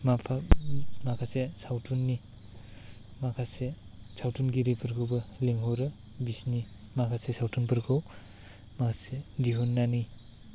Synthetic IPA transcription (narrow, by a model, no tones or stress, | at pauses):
mapʰamakʰasesawtʰunːi | makʰase | sawtʰunɡiɾepʰɯɾkʰɯwbɐleŋɦɔɾɯ | bisni | makʰasesawtʰunpɯɾkʰɯw | makʰasediɦonːani